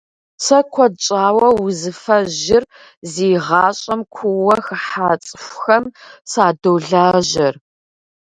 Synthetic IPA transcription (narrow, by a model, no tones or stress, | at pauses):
sɐkʷʰɔt͡ʃʼaːwɐwʊzɨfɐʑɪr | ziːʁɑːɕʼɐmkʷʰʊwɐxɨħaːt͡sʼɨfʷxɐmsaːdoːɮaːʑɐr